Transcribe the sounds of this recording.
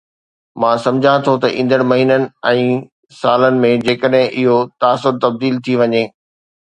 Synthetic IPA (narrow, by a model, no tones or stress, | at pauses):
mãːsɐ̃md͡ʑʱãt̪ʰot̪ɐʔĩːnd̪əɽ̃mɐɦiːnənɪ̆ɛ̃ː | saːlənɪ̆mẽd͡ʑeːkəɗɦɪ̃ʔɪɦot̪aːsʊɾt̪ɐb̚d̪iːlt̪ʰiʋɐɲeː